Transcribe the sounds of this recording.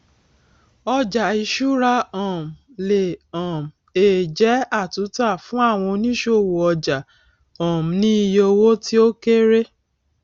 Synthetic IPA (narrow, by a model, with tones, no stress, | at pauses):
ɔ˧d͡ʒa˨i˨ʃu˦ɾa˧ɔ̃˨m̩˨le˨ɔ̃˨m˨e˨d͡ʒɛ˨˦a˦˨tu˨˦ta˦˨fũ˦a˦˨w̃ɔ̃˧nĩ˦ʃo˦˨wo˨ɔ˧d͡ʒa˨ | ɔ̃˨m˨nĩ˦i˧jo˧wo˦ti˦o˦ke˦ɾe˦